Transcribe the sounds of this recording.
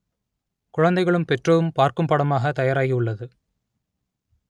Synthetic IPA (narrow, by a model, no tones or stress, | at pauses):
kʊɻɐnd̪ɐɪɣɐɭɯmpɛʈrɐʋɯmpaːɾkɯmpɐɽɐmaːɣɐt̪ɐjaːɾaːjiʊɭːɐðɯ